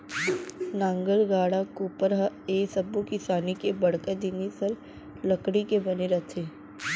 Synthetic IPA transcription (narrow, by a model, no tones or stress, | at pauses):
nãːŋɡəɾɡaːɽakuːpəɾɦəeːsɐbːukɪsaːnikebɐɽkəd̪inisəɾ | lɐkɽikebɐneɾɐt̪ʰeː